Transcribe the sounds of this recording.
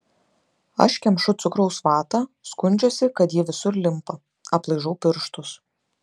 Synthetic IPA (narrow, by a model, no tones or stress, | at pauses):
ɐ̰ʃkʲɛmʃʊt̪sʊkɾɐʊsʋɑːt̪ɑskʊnʲd͡ʒʲoːsʲɪkɐt̪jiɛʋʲɪsʊɾlʲɪmpɐ | ɐplˠɐɪʒɐʊpʲɪɾʃt̪ʊs